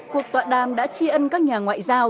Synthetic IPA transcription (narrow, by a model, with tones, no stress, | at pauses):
ku˨˩ək̚t̪wa̰ː˧˨ɗaː˨˩mɗa̰ː˧˥t͡ɕi˧ʔə˧nkaː˦˥k̚ɲaː˨˩ŋwa̰ː˧˨jzaː˧w